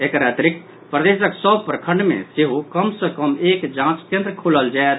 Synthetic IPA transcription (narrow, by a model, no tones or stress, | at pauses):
eːkɾat̪ɾɪk | pɾəd̪eːsəksəbpɾəkʰə̃ɳɖmḛ̃seɦukəmsəkəmeːkd͡ʒãːt͡ʃt̪jə̃nt̪ɾəkʰuləld͡ʒaet̪